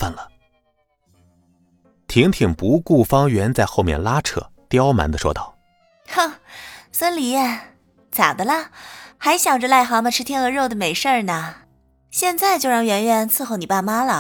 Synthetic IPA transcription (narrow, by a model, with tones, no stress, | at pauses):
ə˥˩nlə˩ | t̪ʰi˧˥ŋt̪ʰi˨˩ŋpu˧˥ku˥˩fɑ˥ŋɥɛ˧˥nt͡sa˥˧ɪxo˥˧ʊmjɛ̰˥˩nla˥ʈ͡ʂʰɤ̰˥˩t̪jɑ˥ʊma̰˧˥nd̪ə˧˩ʂwɔ̰˥t̪ɑ˥˩ʊ | xsə˥nli˨˥ɛ˥˩ | t͡sa̰˨˩d̪ə˦lə˧xa˧˥ɪɕjɑ˨˩ŋʈ͡ʂə˧la˥˩ɪxɑ˧˥mə˨ʈ͡ʂʰɻ̩˥t̪ʰjɛ˥nə˧˥ɻo˥˩ʊd̪ə˩me˨˩ɪʂə˥˩nə˩ | ɕjɛ˥˧nt͡sa˥˧ɪt͡ɕjo˥˧ʊɻɑ˥˩ŋɥɛ˧˥nɥɛ˧˥nt͡sʰɹ̩˥˧xo˥˩ʊni˨˩pa˥˩ma˥lə˨